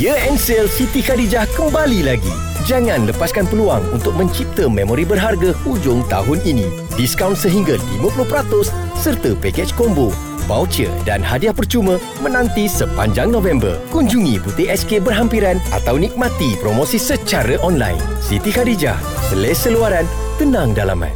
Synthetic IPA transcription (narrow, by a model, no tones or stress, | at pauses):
jəɛnsɛlsit̪ikadid͡ʒahkəmbalilaɡḭ | d͡ʒaŋãnləpaskanpəlua̰ŋunt̪ʊk̚mə̃ɲt͡ʃip̚t̪əmẽmoɾibərɦarɡahud͡ʒʊŋt̪a̰ɦʊninĩ | diskawnsəɦiŋɡalḭmãpulʊhpəɾat̪ʊsː | ərt̪əpekɛt͡ʃkombo | bawt͡ʃə̰da̰nɦadiahpərt͡ʃumə̃ | mə̃nãnt̪isəpa̰ɲd͡ʒaŋnõvɛmbə̰rkuɲd͡ʒuŋĩbut̪eʔɛskebərɦampiɾanʔa̰t̪awnik̚mãt̪ipɾomõsisət͡ʃaɾəʔɔnla̰jnsit̪ikaɾid͡ʒa̰h | səlajsəluaɾan | t̪ənãŋdala̰mã̰n